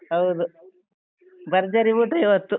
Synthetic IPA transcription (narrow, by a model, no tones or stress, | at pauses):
ɦɐwd̪u | bɐɾd͡ʒɐɾiʋuʈuiʋɐt̪ːu